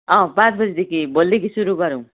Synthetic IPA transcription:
ʌ̃pãt͡sbʌd͡zed̪ekʰibʌlːekisuɾuɡʌɾũ

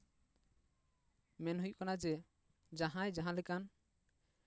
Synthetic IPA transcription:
mɛnɦuj̚kanad͡ʒɛ | d͡ʒaɦãjd͡ʒaɦãlɛkan

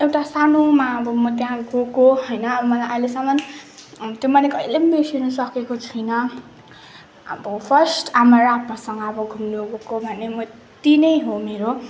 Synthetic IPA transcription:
ewʈasanomaʌbʌmʌt̪jãɡokoɦʌjnʌːbʌmʌlaʔʌjlesamʌn | t̪jomʌnekʌjlembesinusʌkekot͡sʰʌjnʌ | ʌ̰bʌpʰʌrsʈamʌɾapmasʌŋɡʌːbʌɡʱumnuɡokobʱʌnemʌ | t̪inʌjɦomeɾo

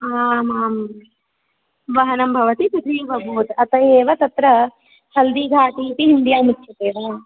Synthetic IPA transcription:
aːmaːm | ʋɐɦɐnɐmbʱɐʋɐt̪it̪ud̪ʰʱiːbʱɐbʱuːt̪ɐt̪ɐjeːʋɐt̪ɐt̪ɾɐ | t͡ʃʰɐld̪iːɡʱaːʈiːp̪iind̪ijaːmutːt͡ʃʰɐt̪eːʋaː

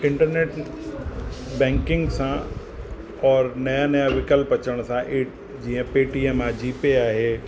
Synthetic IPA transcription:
ɪ̃ɳʈəɾneːʈ | bɛ̃ːŋkɪ̃ŋɡsã | ɔːɾnɐjanɐjaʋɪkəlpɐt͡ʃəɽ̃sãʔeː | d͡ʒiɦə̃peːʈiɛmaːd͡ʒipeaːɦe

